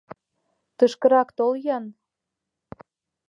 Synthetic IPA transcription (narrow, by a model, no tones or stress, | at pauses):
t̪ɤʃkɤ̆ɾɑkt̪oljɑn